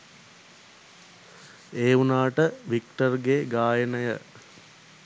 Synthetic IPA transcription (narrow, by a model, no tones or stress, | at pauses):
eːunaːʈəʋikʈərɡeːɡaːjənəjə̰